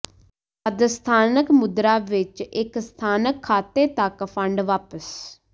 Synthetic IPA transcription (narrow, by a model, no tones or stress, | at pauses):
əd̪əst̪ʰaːnəkmʊd̪ɾaːʋɪt͡ʃɪkst̪ʰaːnəkʰːaːt̪eːt̪əkpʰəɳɖʋaːpəs